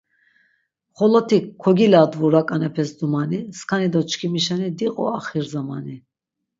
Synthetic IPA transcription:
χɔlɔt̪ʰikʰɔɡilad̪vuɾakʼanɛpʰɛsd̪umaniskʰanid̪ɔt͡ʃkʰimiʃanid̪iqʼɔ̰aχiɾzamani

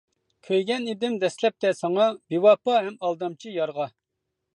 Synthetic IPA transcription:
kʲʰøjɡʲɛned̪ɪmd̪ɛslɛp̚t̪ɛsɑŋɑbiwɑpɑɦɛmɑlˠd̪ɑmt͡ʃʰijɑɾʁɑ

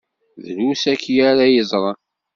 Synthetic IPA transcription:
ðəlusækːjæɾajəzˤɾˤɑ

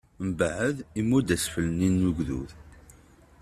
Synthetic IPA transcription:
mbʕəðimːud̪æsfələninːuʝðṵθ

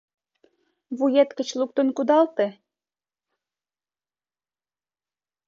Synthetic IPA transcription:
βujet̪kə̆t͡ɕluk̚t̪ə̆nkud̪ɑlt̪e

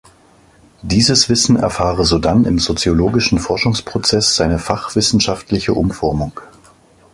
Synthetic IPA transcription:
d̥iːzəsv̥ɪsn̩ɛ̰ɐfaːʁəzodanɪmzot͡sjoloːɡɪʃn̩fɔɐʃʊŋspʁ̥ot͡sɛsz̥aɪnəfaχv̥ɪsn̩ʃaftlɪçəʔʊmfɔɐmʊŋ

